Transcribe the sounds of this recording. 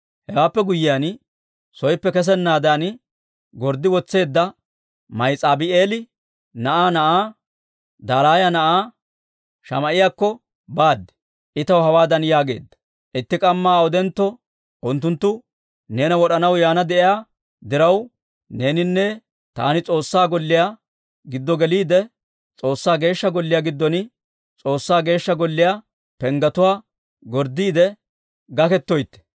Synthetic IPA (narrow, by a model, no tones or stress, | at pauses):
hɛɡaːpːɛɡʊjɪjaːn | sɔjpːɛkɛs̬ɛnːaːd̪an | ɡɔɾd̪ɪwɔt͡sːe̞ːd̪ːɐ | mɐjt͡sʼaːbɪeːlɪ | nɐʔaːnɐʔaː | d̪aːlaːjɐnɐʔaː | ʃɐ̰mɐʔɪjaːkːɔ | baːd̪ːɛ̥ | ʔɪt̪ɐwhɐwaːd̪ɐnjaːɡe̞̰ːd̪ːɐ̥ | ʔɪt̪ːɪkʼɐmːaːɔd̪ɛnt̪ːɔ | ʔʊnt̪ːʊnt̪ːʊ | ne̞ːnɐwɔɗɐnɐwjaːnɐd̪ɛʔɪjaː | d̪ɪɾɐw | ne̞ːnɪnːɛ | t̪a̰ːnɪt͡sʼo̞ːsːaːɡɔlːɪja | ɡɪd̪ːɔɡɛliːd̪ɛ | t͡sʼo̞ːsːaːɡe̞ːʃːɐɡɔlːɪjaɡɪd̪ːɔn | t͡sʼo̞ːsːaːɡe̞ːʃːɐɡɔlːɪja | pɛŋɡɐt̪ʊwaː | ɡɔɾd̪iːd̪ɛ | ɡɐkɛt̪ːɔjt̪ːɛ̥